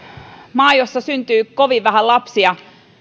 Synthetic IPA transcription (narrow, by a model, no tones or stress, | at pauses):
mɑːijosːɑsynt̪yːkoʋiʋːæhælɑpsiɑ